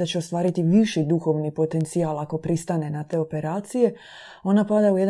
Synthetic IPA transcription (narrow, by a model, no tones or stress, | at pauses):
at͡ɕe̞o̞st̪ʋaːɾit̪iʋiʃid̪uxo̞ʋnipo̞t̪e̞nt̪siaːlako̞pɾist̪ane̞nat̪e̞ːo̞pe̞ɾaːt̪sije̞ | o̞napad̪aujed̪